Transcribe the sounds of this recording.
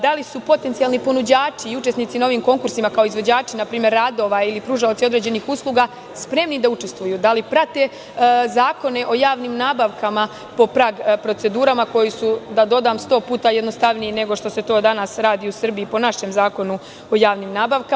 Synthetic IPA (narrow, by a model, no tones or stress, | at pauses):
d̪alisupo̞t̪e̞nt̪ialˠnipo̞nud͡ʑaːt͡ʃiːut͡ʃeniːt̪inao̞ʋiːmko̞ŋkuɾsimakao̞izʋo̞d͡ʑaːt͡ʃinapɾiːmje̞ɾːad̪o̞ʋailipɾuʒaot̪sio̞d̪ɾe̞ːd͡ʑe̞nixuslˠuɡaː | spɾe̞mnid̪aut͡ʃe̞st̪ʋujuːd̪alipɾat̪e̞ | zaːko̞ne̞ʔo̞jaːʋniːmnaːbaʋkama | po̞pɾaːɡpɾo̞t̪se̞d̪uːɾamako̞jisud̪ad̪o̞d̪aːmst̪o̞ːpuːt̪ajed̪no̞st̪aʋnijine̞ɡoʃt̪o̞se̞t̪o̞ːd̪anasɾaːd̪iːusr̩biipo̞naʃe̞mzaːko̞nu | o̞jaːʋniːmnaːbaʋka